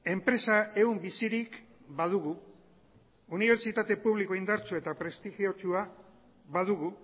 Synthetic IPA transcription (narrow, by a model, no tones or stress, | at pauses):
e̞mpɾe̞sae̞umbisiɾikbað̞uɣu | niβe̞ɾt͡ʃit̪at̪e̞puβ̞liko̞ind̪aɾt͡sue̞t̪apɾe̞st̪ixio̞t͡ʃua | βaðuɣu